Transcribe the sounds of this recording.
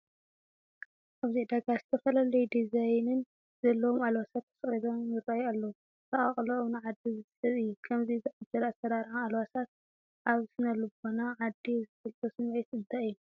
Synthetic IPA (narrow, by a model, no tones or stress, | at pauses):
ʔaβziʕd̪aɡazɨt̪ʰɐfɐlalɐjud̪izajnɨn | z̥ɐlːɐwomalwasat̪ʰːɐ̥sχʼid̪omjɨɾajalːɐwu | t̪ʰɐχʼɐχʼlɐnʕad̪ːizɨt̪ʰlɐsʼɨjːukʰɐmzizɨʕad͡ʒɐɾasɐɾaɾʕaalwasat̪̚ | ʔaβsɨnɐlɨbonaʕad̪ːizɨfɨlt̪ʼosɨmʕit̪ɨnd̪ʰaɨjːu